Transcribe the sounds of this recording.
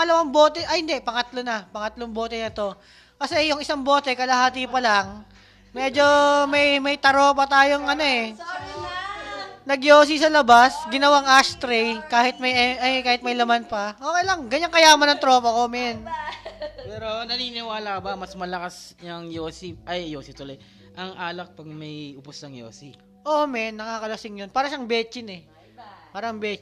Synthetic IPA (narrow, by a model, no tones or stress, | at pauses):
ɐlɐwambo̞ːt̪ɛʔɐhɪnd̪ɛʔpɐŋɐt̪lo̞nɐpɐŋɐt̪loŋbo̞ːt̪ɛnɐt̪o̞ | kɐsɛjʊŋɪsaŋbo̞ːt̪ɛkɐlɐhaːt̪ipɐlaŋ | mɛːd͡ʒo̞mɐjmɐjt̪ɐɾo̞ːpɐt̪aːjoŋʔɐnoɛ | nɐɡjoːs̬isɐlɐbasɡɪnɐwaŋʔast̪ɾɛjkaːhɪt̪̚mɐjɛʔɐjkaːhɪt̪̚mɐjlɐmanpɐʔoːkejlɐŋɡɐɲːɐŋkɐjaːmɐnɐŋt̪ɾo̞ːpɐko̞mɛn | pɛːɾo̞nɐniːnɪwaːlɐkɐbɐmɐsmɐlɐkasnɐŋjoːsipʔɐjːoːsɪt̪ʊloj | ʔɐŋʔaːlɐk̚pɐɡ̚mɐjʔʊposnɐŋjo̰ːsi | ʔomɛnːɐkaːkɐlɐsɪŋjonpaːɾɐʃɐɐŋbɛːt͡ʃɪnɛ | paːɾɐʔɐŋbɛ